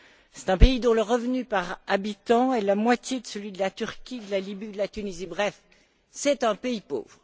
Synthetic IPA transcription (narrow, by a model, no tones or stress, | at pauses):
sɛ̥t̪ɛ̃peid̪ɔ̃ləʁəvnypaʁabit̪ɑ̃ɛlamwat̪jed̪əsəlɥid̪əlat̪yʁkʲid̪əlalibiud̪əlat̪ynizibʁɛf | sɛt̪ɛ̃peipo̰ːvʁə